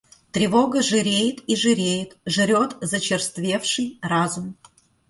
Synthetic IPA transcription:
t̪ɾʲɪvoɡəʐɨɾʲejɪt̪iʐɨɾʲejɪt̪ʐɨɾʲot̪zət͡ɕɪrst̪vʲe̞fʂɨjrazum

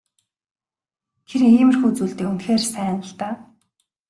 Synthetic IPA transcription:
tʰeɾŋiːmɘ̆rxut͡suːɮt̪eːunt̪xeːrsæːnə̆ɬt̪aː

